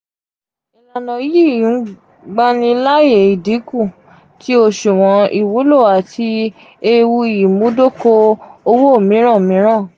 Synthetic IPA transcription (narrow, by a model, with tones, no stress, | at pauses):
i˧la˧nɔ̃˨ji˦˨ĩ˨˦ | ɡ͡ba˦nĩ˧˦la˦je˨i˨di˨˦ku˦˨ | ti˦o˧ʃu˨w̃ɔ̃˨˧˦i˨wo˨˦lo˦˨a˨tʰi˧ | e˧wu˧i˨ji˨mũ˨˦do˦ko˧o˧wo˦o˦˨mĩ˨˦ɾ̃ã˦˨mĩ˨˦ɾ̃ã˦˨